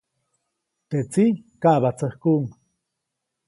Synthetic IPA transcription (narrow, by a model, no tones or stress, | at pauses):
t̪et͡sikaʔβat͡səχkuːŋ